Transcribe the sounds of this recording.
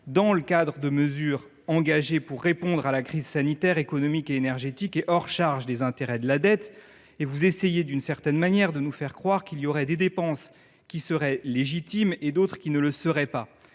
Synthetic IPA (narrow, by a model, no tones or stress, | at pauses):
d̪ɑ̃ləkad̪ʁəd̪əməzyːʁ | ɑ̃ɡaʒepuʁːepɔ̃d̪ʁalakχizsanit̪ɛʁekɔnɔmikeːnɛʁʒet̪ikeʔɔʁʃaʁʒd̪ezɛ̃t̪eʁɛd̪əlad̪ɛt̪ | evuzesejed̪ynsɛʁt̪ɛnmanjɛʁd̪ənufɛʁkχwaʁkilijɔʁɛd̪ed̪epɑ̃s | kʲisəʁɛleʒit̪imed̪ot̪χkʲinələsəʁɛpa